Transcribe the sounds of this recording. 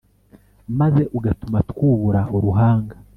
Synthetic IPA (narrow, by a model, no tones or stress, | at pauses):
maze̞ʔuɡatumatkuːβuɾaoɾuɦaːŋɡa